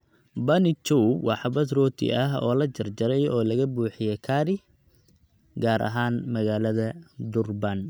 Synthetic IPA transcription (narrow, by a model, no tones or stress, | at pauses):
bɐnɪt͡ʃɔwbwʔɑħɑbɐsrɔːt̪ʰɪ̰ʔɐɦɔ̰ːlɐt͡ʃɐrd͡ʒɐɾɛjɔːlɐɣɐbuːħɪjɛjkʰaːɾɪ | ɡaːɾʔɐ̰ɦaːnmɐɣaːlɐðɐd̪ʊrbɐn